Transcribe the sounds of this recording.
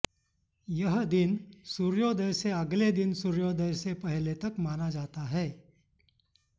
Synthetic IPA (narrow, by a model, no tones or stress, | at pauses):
jɐɦd̪ɪnsuɾjod̪əjseɐɡled̪ɪnsuɾjod̪əjsepɛɦlet̪ɐkmaːnad͡ʒaːt̪aɦɛː